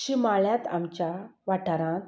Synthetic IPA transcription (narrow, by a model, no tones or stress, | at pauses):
ɕimaɭjãt̪a̰mt͡ɕaʋaʈʰaɾãt̪